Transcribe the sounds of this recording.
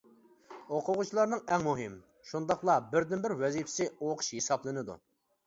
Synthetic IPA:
oqʰʊʁut͡ʃʰilˠɑɾnɨŋɛŋmuɦɪm | ʃund̪ɑχlˠɑbɪɾd̪ɪnbɪɾwɛzipʰɪ̥sɪoqʰʊ̥ʃhesɑblˠɨnɨd̪ṵ

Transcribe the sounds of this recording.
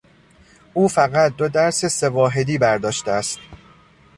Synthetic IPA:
ʔuːfæɣæt̪̚d̪od̪æɾsese̞vɒːɦe̞d̪iːbæɾd̪ɒːʃt̪eæst̪

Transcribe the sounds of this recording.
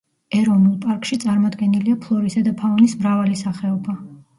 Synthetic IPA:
ɛɾɔvnulˠpʼaɾkʼʃit̪sʼaɾmɔd̪ɡɛniliapʰlˠɔɾisad̪apʰaɔnismɾavalisaχɛɔba

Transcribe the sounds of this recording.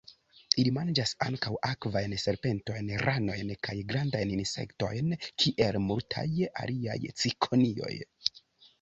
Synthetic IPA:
ilimand͡ʒasaŋkawʔakvajnse̞ɾpe̞nto̞jnɾano̞jnkajɡɾandajninse̞̰kto̞jnkʰiʔe̞lmultʰa̰ja̰lia̰jt͡sikʰo̞nio̞̰j

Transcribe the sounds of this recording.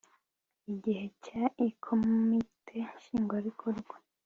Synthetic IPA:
iɟihe̞caikʰommitʰe̞ʃiːŋɡwaɾikʰoɾɡwa

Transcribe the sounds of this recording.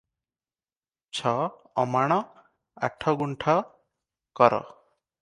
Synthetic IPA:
t͡ʃʰɔ | ɔmaɽ̃ɔ | aʈʰɔɡuɳʈʰɔ | kɔɾɔ̰

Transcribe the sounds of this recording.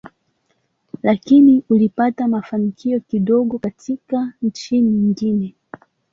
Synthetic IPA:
lakiniulipatamafanikʰiɔkiɗɔɠɔkatʰikant͡ʃiniiɲiŋɡinɛ

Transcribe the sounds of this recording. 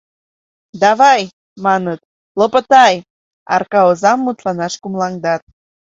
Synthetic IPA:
d̪ɑβɑj | mɑnət̪ | lopət̪ɑj | ɑ̰rkɑozɑmːut̪lɑnɑʃkumlɑŋd̪ɑt̪̚

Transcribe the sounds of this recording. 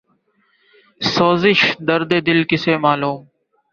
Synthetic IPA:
soːzɪʃd̪əɾd̪eːd̪ɪlkɪseːmaːluːm

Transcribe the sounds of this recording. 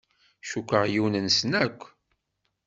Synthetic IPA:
ʃukʷːəʁjiwnənsnækʷː

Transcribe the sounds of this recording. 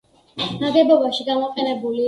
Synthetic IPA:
naɡɛbɔbaʃiɡamɔqʼɛnɛbuli

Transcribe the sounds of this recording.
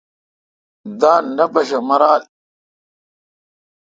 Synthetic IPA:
d̪aːnɐbɐɕɐmɐɾaːl

